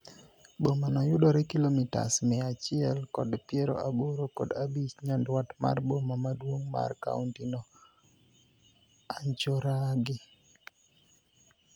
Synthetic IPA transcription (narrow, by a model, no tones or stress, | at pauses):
bomanajʊdɔɾɛkilomita̰smɛat͡ʃɪɛlkɔdpjɛɾo̰ʔaboɾokɔ̰dabit͡ʃɲandwatma̰rbomamadwoŋma̰rka̰untinɔ | aɲt͡ʃoɾaɡɪ